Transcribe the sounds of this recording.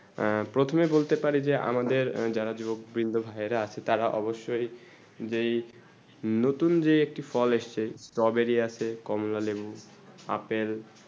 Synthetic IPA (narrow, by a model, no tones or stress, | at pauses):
pɾot̪ʰomebolt̪epaɾid͡ʑeʔa̰mad̪eɾd͡ʑaɾad͡ʑubok̚bɾind̪ʱobʱajeɾaat͡ɕʰet̪aɾaʔɔboʃːoj | d͡ʑej | not̪und͡ʑeek̚ʈifɔleʃt͡ɕʰesʈɔbeɾieat͡ɕʰekɔmolalebu | a̰pel